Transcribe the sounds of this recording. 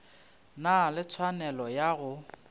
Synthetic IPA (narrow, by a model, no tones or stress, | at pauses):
nalɪt͡sʰwanɛlɔjaɣʊ